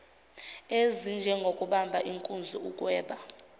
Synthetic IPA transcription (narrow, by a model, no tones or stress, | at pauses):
ezind͡ʒʱɛŋɡʱokʼuɓambʱaʔiŋkʼund͡zʱuukʼwɛːɓa